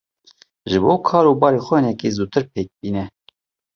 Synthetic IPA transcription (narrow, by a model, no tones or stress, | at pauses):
ʒɨboːkʰɑːɾubɑːɾeːxʷɛnɛkezuːt̪ʰɨɾp̚ʰeːk̚biːnɛ